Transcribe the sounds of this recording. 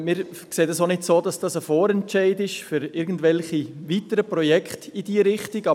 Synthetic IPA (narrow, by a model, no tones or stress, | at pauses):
mɪːɾkseːdəsonɪtsoːdɑsd̥ɑsəfoːɾɛntt͡ʃɛɪdɪʃfʏɾɪɾɡn̩dʋɛlχivitəɾəpɾɔjɛkχtid̥iːɾɪχtiɡɑ